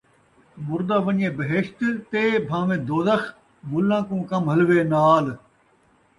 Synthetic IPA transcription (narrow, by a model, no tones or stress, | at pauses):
mʊɾd̪aːʋəɲẽːbəɦeʃt̪t̪eːbʱãːʋẽːd̪oːzəx | mʊlːãːkũːkɐmɦɐlʋeːnaːl